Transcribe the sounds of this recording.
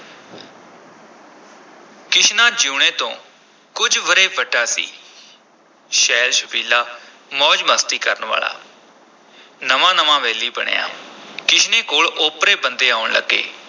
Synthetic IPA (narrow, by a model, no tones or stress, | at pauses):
kɪʃnãːd͡ʒuːɳẽːt̪õ̰ː | kʊd͡ʒʋəɾeːbəɖaːsḭː | ʃɛːlʃəbiːlaː | mɔːd͡ʒməːst̪iːkəɾəɳʋa̰ːla̰ː | nəmãːnəʋãːʋɛːliːbəɳ̃ḛːa̰ːkɪʃnẽːkoːɭʊpɾeːbənd̪eːaːʊɳlə̰ɡːḛː